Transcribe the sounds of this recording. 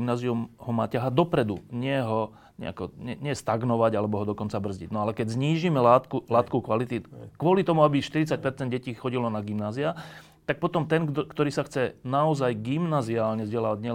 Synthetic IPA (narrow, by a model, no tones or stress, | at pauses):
mnaːziumhɔma̰ːcaɦad̪ɔpɾɛd̪uɲɪɛɦɔ | ɲɛ̰a̰kɔɲɛɲɪɛst̪aɡnɔʋaɟalɛbɔɦɔd̪ɔkɔnt͡sabr̩zɟḭɟnɔalɛkɛɟzɲiːʒiːmɛlaːt̪kulaːt̪kɔkʋalit̪ikʋʊɔlit̪ɔmuabiʃt̪iɾit͡sac̚pɛɾt͡sɛnd̪ɟɛciːxɔɟilɔnaɡimnaːzia | t̪ak̚pɔt̪ɔmt̪ɛnkt̪ɔɾiːsaxt͡sɛnaɔzajɡimnaziaːlɲɛzɟɛlaːʋaɟɲɛ